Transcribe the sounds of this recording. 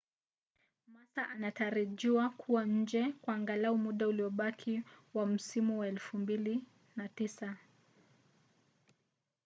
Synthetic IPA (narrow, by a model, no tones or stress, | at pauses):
masaʔanataɾaʄiwakʰuwaɲ̩d͡ʒɛkwaːŋɡalaumuɗauliɔɓakʰiwam̩simuwaɛlfumbili | natisa